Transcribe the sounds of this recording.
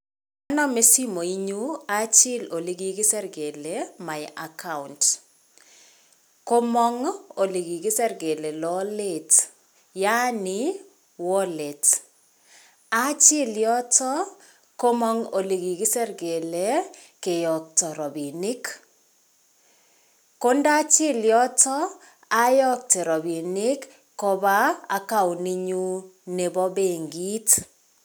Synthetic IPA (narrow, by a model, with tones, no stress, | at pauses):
a˦nɔ˦me˦si˦mo˨i˦ɲu˦at͡ʃɪ˦lo˨li˨˦ɡi˨ɡɪ˦sɛ˦rɡe˨le˨ma˨ɪʔaka˦unt | ko˦mɔ˦ŋo˨li˨ɡi˨ɡɪ˦sɛ˦rɡe˨le˨lɔle˦˨t | ja˦nɪ˦ | wɔ˦le˨t | a˦t͡ʃɪ˦ljɔ˦tɔ˦ | ko˦mɔ˦ŋo˨li˨ɡi˨ki˦sɛ˦ɾɡe˨le˨ke˨jɔ˨k̚tɔ˨ɾɔ˨bi˨ni˦k | ko˦nda˦t͡ʃɪ˦ljɔ˦tɔ˦ | a˦jɔ˦k̚te˨ɾɔ˨bi˨nɪ˦kː | o˦ba˦a˨ka˦wni˦ɲu˦ne˨bɔ˦be˨ŋɡi˦t